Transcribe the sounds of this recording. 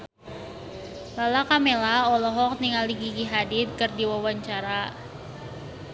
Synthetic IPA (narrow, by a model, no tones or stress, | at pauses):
lalakamelaɔlɔɦɔk̚niŋaliɡiɡiɦadit̪̚kɨrdiwawaɲt͡ʃaɾa